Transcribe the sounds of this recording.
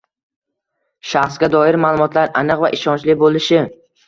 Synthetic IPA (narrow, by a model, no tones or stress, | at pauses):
ʃaχsɡʲad̪ɒɪɾmaːlˠʊmɒt̪ʰlaɾanɨqva̰ʔɪʃɒnt͡ʃlɪbolˠɪʃɪ